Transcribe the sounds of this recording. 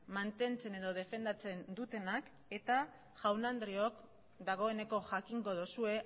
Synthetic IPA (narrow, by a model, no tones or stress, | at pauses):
mant̪e̞nt͡se̞ne̞ð̞o̞ð̞e̞fe̞nd̪at͡se̞nd̪ut̪e̞nak | e̞t̪a | ʝawnand̪ɾio̞k | d̪aɣ̞o̞e̞ne̞ko̞ʝakiŋɡo̞ð̞osue̞